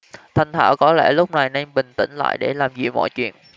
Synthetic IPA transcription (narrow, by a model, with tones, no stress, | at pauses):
t̪ʰa˨˩ŋ̟t̪ʰaː˧˩wkɔ˨˦lɛ̰˧˥lʊ˦˥k͡p̚na˨˩jna˧ŋɓï˨˩ŋ̟t̪ḭ˧˩ŋ̟la̰ː˧˨jɗe˧˩laː˨˩mzḭ˧˨mɔ̰˧˨jt͡ɕwḭ˧˨ən